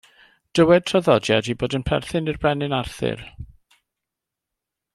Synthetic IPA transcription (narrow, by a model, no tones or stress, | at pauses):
d̥əwɛd̚tʰraðɔdjadiboːdənpʰɛ̰rθɪnirbrɛnɪnarθɪ̰r